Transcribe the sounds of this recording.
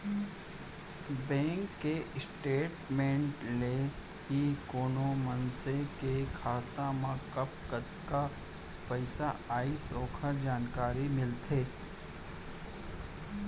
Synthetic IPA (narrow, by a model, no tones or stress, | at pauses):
bɛ̃ːŋkːesʈeːʈmẽːɳʈle | ɦikoːnomənsekekʰaːt̪ãmãkɐpkət̪ka | pɐɪsaaːisoːkʰəɾd͡ʒaːnkaːɾimɪlt̪ʰeː